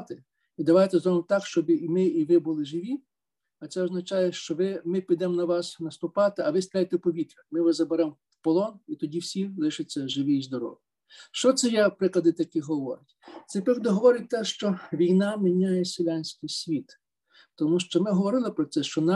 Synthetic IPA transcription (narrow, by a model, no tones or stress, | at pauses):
t̪ɪ | id̪ɐʋɑjt̪ɛzɾɔʋemt̪ɑkʃt͡ʃɔbmɪiʋɪbʊlˠɪʒɪʋʲi | ɐt̪sɛɔznɐt͡ʃɑjɛʃt͡ʃɔʋɪmɪpʲid̪ɛmnɐʋɑsnɐst̪ʊpɑt̪ɪɐʋɪst̪ɾʲajʲet̪ɛpɔʋʲit̪ɾʲɐmɪʋɐzɐbeɾɛm | pɔlˠɔnit̪ɔdʲiwsʲilˠɪʃɪt͡sʲːɐʒɪʋʲiizd̪ɔɾɔ̰ʋʲj | ʃt͡ʃɔt̪sɛjɛpɾɪklˠɐd̪ɪt̪ɐkʲiɦɔʋɔ̰ɾɪtʲt̪sɛpɾɪklɐd̪ɪɦɔʋɔɾɪt̚ʲt̪ɛʃt͡ʃɔʋʲijnɑmɪnʲɑjɛsʲɪlʲanʲsʲkʲijsʲʋʲit̪ | t̪ɔmuʃt͡ʃɔmɪɦɔʋɔɾɪlˠɪpɾɔt̪sɛʃt͡ʃɔnɑ